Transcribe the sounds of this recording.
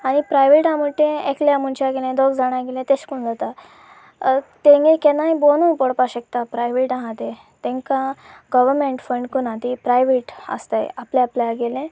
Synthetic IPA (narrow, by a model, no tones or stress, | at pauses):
aɽ̃ipɾajʋeʈãmuʈẽekljamuɳt͡ɕaɡelẽd̪oɡd͡zaɽ̃ãɡelẽt̪eɕkuɳd͡zat̪a | t̪ẽŋɡẽkenajbonũpɔɽpaɕək̚t̪apɾajʋeʈãɦãt̪e | t̪ẽŋkãɡəʋəɾmẽɳʈfəɳɖkunãt̪ipɾajʋeʈə̰st̪aj̰apleaplaɡelẽ